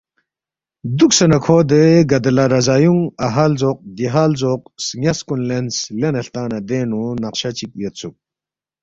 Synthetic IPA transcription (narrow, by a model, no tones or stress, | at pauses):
d̪uk̚sɐnɐkʰɔːd̪eɡɐd̪laɾɐzajuŋɐɦaːlzɔq̚d̪iɦaːlzɔq̚sŋjaskunlenslenɐɬt̪aːnɐd̪enunɐqʃat͡ʃik̚jɐt̪̚t͡suk̚